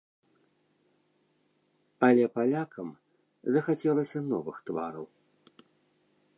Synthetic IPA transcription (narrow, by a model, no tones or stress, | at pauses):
ɐlʲɛpalʲakʰɐm | zɐxat͡sʲɛlˠɐsʲɐnɔvɨxt̪va̰ɾɐw